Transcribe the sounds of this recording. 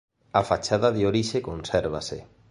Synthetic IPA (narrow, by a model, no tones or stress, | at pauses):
afat͡ʃaðaðeoɾiʃekonseɾβa̰sḛ